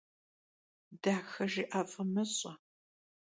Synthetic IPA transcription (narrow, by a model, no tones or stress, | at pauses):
d̥aːxɐʒiːʔaːfʼɐmɐɕʼɐ